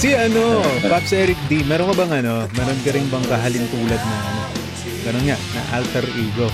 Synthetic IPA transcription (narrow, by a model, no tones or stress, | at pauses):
siʔɐno̞papsɛːɾɪk̚d̪imɛːɾonkɐbɐŋɐno̞mɛːɾonkɐɾɪŋbɐŋkɐɦaːlɪnt̪uːlɐd̪̚nɐŋɐno | ɡɐnonŋaʔnɐ̰ʔa̰lt̪ɛɾʔiːɡo̞